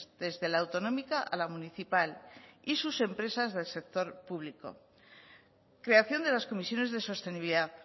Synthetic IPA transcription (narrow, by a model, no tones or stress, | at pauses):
ðe̞zðe̞laːwt̪o̞no̞mikaʔa̰lamuniθipalisuse̞mpɾe̞sazðe̞lse̞k̚t̪o̞ɾpuβ̞liko̞̰ | kɾe̞aθjo̞nd̪e̞lasko̞misjo̞ne̞zðe̞so̞st̪e̞niβiliða